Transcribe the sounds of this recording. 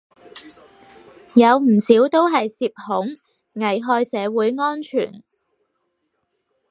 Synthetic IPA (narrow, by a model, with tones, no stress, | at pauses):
jɐ˨˧wm̩˨˩siː˨˥wt̪o˥wɦɐ˨jsiː˧p̚hʊ˨˥ŋ | ŋɐ˨˩jɦɔː˧jsɛː˨˧wuː˨˥jŋɔː˥nt͡ʃʰy̰ː˨˩n